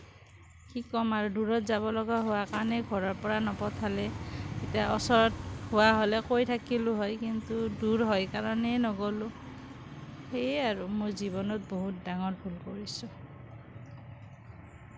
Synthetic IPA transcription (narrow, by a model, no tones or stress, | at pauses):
kikɔmaɹuduɹɔtzaβɔlɔɡaɦowakaɹɔnɛɡʱɔɹɔɹpɔɹanɔpɔtʰalɛetiaʔɔsɔɹɔthowaɦolɛkojtʰakilʊɦɔjkintuduɹɦɔjkaɹɔnɛnɔɡolʊ | xejaɹumojzibɔnɔt̚boɦut̚daŋɔtbʱulkoɹisʊ